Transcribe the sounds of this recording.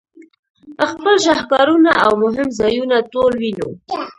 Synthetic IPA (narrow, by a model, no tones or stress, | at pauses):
əxpəlʃahkɑɾunaʔawmʊɦɪmzɑjunat̪olwinṵ